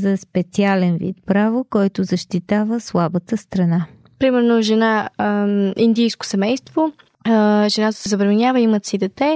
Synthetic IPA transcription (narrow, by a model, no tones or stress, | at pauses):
zɐspɛt̪sialɛnvḭt̪pɾavokɔjt̪ʊzəʃt̪it̪avəslˠabət̪əst̪ɾɐna | pɾimɛɾnoʒɛna | ind̪ijsko̥sɛmɛjst̪vo | ʒɛnat̪ə̥sɛzɐbɾɐmɛnʲjavəimət̪sid̪ɛt̪ɛ